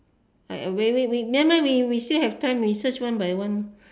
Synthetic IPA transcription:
awɛwiwimɛ̃mawiwistilhɛftãɪ̃mɹisət͡ʃwãnbajwãn

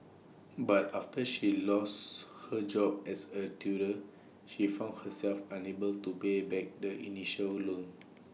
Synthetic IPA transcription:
bataftəʃilɔshəd͡ʒɔbɛsətʰjuɾə | ʃifãw̃ndhəsɛlfãnebəltupebɛk̚dəʔḭniʃəllõn

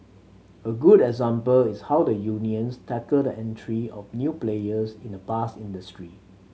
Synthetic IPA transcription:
əɡudɛɡzãmpəlɪshawdəjuniə̃nstʰɛkəldəʔɛ̃ntʰɹiɔfnjuplejəsĩndəpasĩndəstɹi

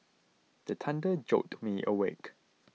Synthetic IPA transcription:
d̪̥ətʰãndəd͡ʒok̚tmiʔəwek

